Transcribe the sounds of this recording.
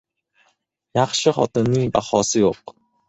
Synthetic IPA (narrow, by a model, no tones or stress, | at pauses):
jɑχʃɪχɒ̰t̪ɪnːɪŋba̰χɒːsɪjoq